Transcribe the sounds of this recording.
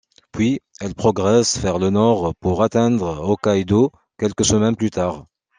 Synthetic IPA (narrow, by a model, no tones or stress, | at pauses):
pɥiɛlpχɔɡʁɛsfɛʁlənɔʁpuʁat̪ɛ̃d̪ʁokajd̪o | kʲɛlkəsəmɛnplyt̪ʰaʁ